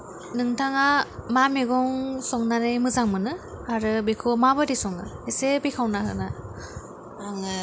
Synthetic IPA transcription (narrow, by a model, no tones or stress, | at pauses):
nɯŋtʰaŋamamiɡɔŋsɔŋnanɯjmɯzaŋmɯnɯaɾɯbikʰɯmabɯdisɔŋnɯ̰hesebikʰawnahɯ̰na | aŋ